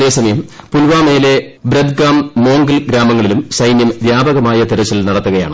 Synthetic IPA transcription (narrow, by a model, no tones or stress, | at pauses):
eːsɐmɐjɐmpulʋaːmejile̞ | bɾɐd̪ɡaːmːo̞ːŋɡɐlɡɾaːmɐŋːɐɭilumsɐjnjɐmʋjaːbɐɣɐmaːjɐt̪iɾɐt͡ɕːilnɐɽɐt̪ːuɣɐja̰ːɳɨ